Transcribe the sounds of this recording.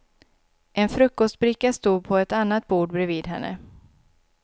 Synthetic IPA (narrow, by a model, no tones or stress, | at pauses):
ʔɛnfɾɵkːɔst̪̚bɾɪkːast̪uːd̪̚pʰɔɛt̪anːat̪̚buːɖbɾɛviːd̪ɦɛnːə̰